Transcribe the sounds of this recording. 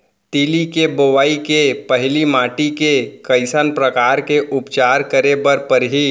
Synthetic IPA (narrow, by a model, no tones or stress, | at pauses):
t̪iːlikeboʋaːikepəɦɪlimaːʈikekəɪsənpɾəkaːɾkeʔʊpt͡ʃaːɾkəɾebəɾpəɾɦi